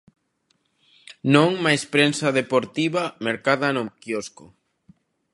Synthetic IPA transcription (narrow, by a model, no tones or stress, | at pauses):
nõŋmajspɾensaðepoɾt̪iβameɾkaðanokiosko